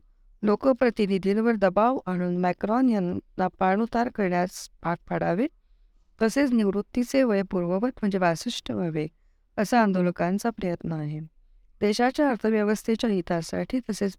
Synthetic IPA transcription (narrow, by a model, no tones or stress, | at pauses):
lokəpɾət̪inid̪ʱilʋəɾd̪əbaʋaɽ̃uːnmɛkɾɔnjanːapaɳ̃ut̪aɾkəɾɳjat͡spak̚pʰəɽaʋe | t̪əset͡sniʋɾut̪ːit͡seʋəjəpuɾʋəʋət̪m̤əɳd͡zeʋasiʂʈʰəuʋeɡ̚ | əsaənd̪oləkãnt͡sapɾəjət̪nəaɦe | d̪eɕat͡ɕjaəɾt̪ʰəʋjəʋəst̪ʰet͡ɕjait̪ʰasa̰ʈʰiːt̪əset͡s